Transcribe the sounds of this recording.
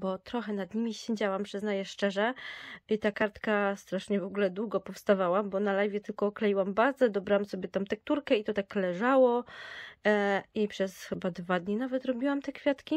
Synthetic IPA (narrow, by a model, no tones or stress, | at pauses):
bɔt̪ɾɔxɛnad̪ɲimʲiɕɛd͡ʑawampʂɘznajɛʂt͡ʂɛʐɛit̪akaɾt̪kast̪ɾaʂɲɛvɔɡulɛd̪wuɡɔpɔfst̪avawambɔnalajvʲjɛt̪ɘlkɔːklɛjiwambazɛd̪ɔbɾawamsɔbʲjɛt̪amt̪ɛk̚t̪uɾkɛit̪ɔt̪aklɛʐawɔ | ipʂɛsxɘbad̪vad̪ɲinavɛt̪ɾɔbʲiwamt̪ɛkfʲjat̪kʲi